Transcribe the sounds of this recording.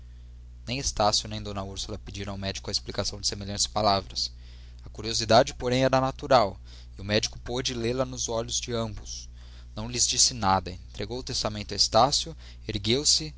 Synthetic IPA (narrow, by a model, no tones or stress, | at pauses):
nẽj̃est̪asjʊnẽj̃d̪õnɐuɾsulɐped͡ʒiɾɐ̃awmɛd͡ʒikʊɐesplikasɐ̃w̃d͡ʒɪsemelʎɐ̃t͡ʃɪ̥sɪ̥palavɾɐs | ɐkuɾiozid̪ad͡ʒɪpoɾẽj̃ɛɾɐnat̪uɾaw | ɪʊmɛd͡ʒikʊpod͡ʒɪlelɐnʊzɔʎʊzd͡ʒɪɐ̃mbʊs | nɐ̃w̃lɪzd͡ʒisɪnad̪ɐẽt̪ɾeɡowʊt̪est̪amẽnt̪ʊɐest̪asjʊ | eɾɡewsɪ